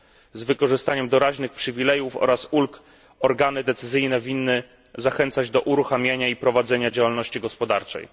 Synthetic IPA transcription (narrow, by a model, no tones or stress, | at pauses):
zvɘkɔʐɘst̪aɲɛmd̪ɔɾaʑnɘxpʂɘvʲilɛjufɔ̰ɾasulk | ɔɾɡanɘd̪ɛt̪sɘzɘjnɛvʲinːɘ | zaxɛnt̪sad͡ʑd̪ɔʔuɾuxamʲjaɲaipɾɔvad̪zɛɲad͡ʑawalnɔɕt͡ɕiɡɔspɔd̪aɾt͡ʂɛ̰j